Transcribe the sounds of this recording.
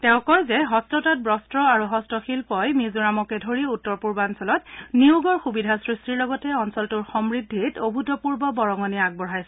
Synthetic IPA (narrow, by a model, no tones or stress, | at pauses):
tɛʊ̃kɔɹzɛɦɔstɔtɔt̚bɹɔstɹɔaɹuɦɔstɔxilpɔjmizuɹamɔkɛdʱoɹiutːɔɹpuɹbansɔlɔtniuɡɔɹxubidʱasɹistiɹlɔɡɔtɛɔnsɔltuɹxɔmɹidʱːitobʱutɔpuɹbɔbɔɹɔŋɔniaɡ̚bɔɹajsɛ